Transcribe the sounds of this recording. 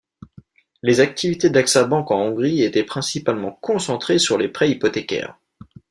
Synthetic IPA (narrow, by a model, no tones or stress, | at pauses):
lezak̚t̪ʰivit̪ed̪aksabɑ̃kɑ̃ɔ̃ɡʁiet̪ɛpχɛ̃sipalmɑ̃kɔ̃sɑ̃t̪χesyʁlepχɛipɔt̪ekʲɛ̰ːʁ